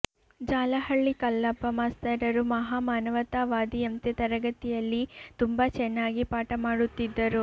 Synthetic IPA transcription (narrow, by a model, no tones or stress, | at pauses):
d͡ʒaːlɐhɐɭːikɐlːɐbːɐmaːst̪ɐɾɐɾumɐɦaːmaːnɐʋɐt̪aːʋaːd̪iɐnt̪et̪ɐɾɐɡɐt̪ijɐlːit̪umbɐt͡ʃɛnːaːɡipaːʈɐmaːɽut̪ːid̪ːɐɾu